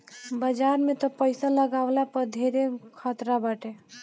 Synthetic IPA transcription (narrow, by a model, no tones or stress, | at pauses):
bəd͡ʒaɾmet̪ɔpəɪsaləɡablapəɾd̪ʱeɾekʰət̪ɾabəʈe